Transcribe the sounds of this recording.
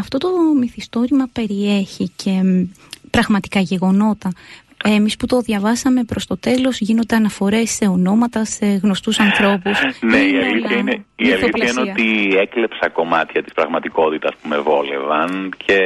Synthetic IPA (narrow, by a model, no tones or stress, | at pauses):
ɐft̪o̞t̪o̞miθist̪o̞ɾimɐpe̞ɾieçicʰe̞pɾɐɣmɐt̪i̥kɐʝe̞ɣo̞no̞t̪ɐ | emisput̪o̞ðʝɐvɐsɐme̞pɾo̞st̪o̞t̪e̞lo̞zʝino̞nd̪eɐnɐfo̞ɾe̞sːe̞o̞no̞mɐt̪ɐse̞ɣno̞st̪usɐnθɾo̞pusneiɐliθɐineiɐliθçɐineot̪iekle̞psɐko̞mɐ̰t̪çɐt̪ispɾɐɣmɐt̪iko̞t̪it̪ɐspumevo̞le̞̰vɐncʰe̞